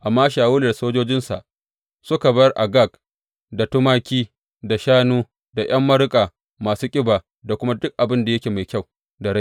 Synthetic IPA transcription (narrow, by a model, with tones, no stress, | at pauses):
ʔa˨mːaː˦ʃaː˨wʊ˦le˨rsoː˦d͡ʒoː˦d͡ʒɪ˦nsa̰˨ʔ | sʊ˦ka˨bɐ˦jrʔa˨ɡa˦˨k | da˨tʊ˦maː˦kʲiː˦ | da˨ʃaː˦nuː˦ | da˨j̰ɐ˦mːɐ˦ɽʊ˦kʼaː˨ | maː˨suː˦kʲʼɪ˦baː˨ | da˨kʷʊ˦ma˦dʊ˦k̚ʔa˨bɪ˦nda˨jɐ˦kʲeː˨ma˨jkʲa˦˨w | da˨ɽa˦˨